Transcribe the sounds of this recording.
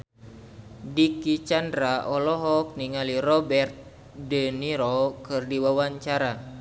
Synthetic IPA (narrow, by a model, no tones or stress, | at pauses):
dikit͡ʃandɾaʔɔlɔɦɔk̚niŋalirɔbɛrt̪̚ | dəniɾɔkɨrdiwawaɲt͡ʃaɾa